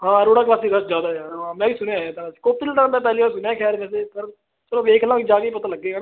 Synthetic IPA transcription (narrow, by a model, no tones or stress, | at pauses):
ɦãːɾoːɽaːklaːsiːd̪əsd͡ʒjaːd̪aːɛaːɦãːmɛ̃ːbiːsʊneɦɛːt̪ãsi̥koːp̚t̪ɪlt̪ːãːmɛ̃ːp̬ɛːliːʋaːɾsʊnjãːkʰɛːɾmɛ̃ːsepʰəɾ | t̪ɾõːʋeːkʰlãːkid͡ʒaːkeiːp̬ət̪ãːləɡːeː